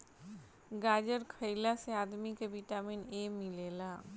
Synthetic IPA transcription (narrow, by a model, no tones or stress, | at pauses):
ɡaːd͡ʒəɾkʰəɪlaseaːd̪mikeʋɪʈaːmineːmɪleːlaː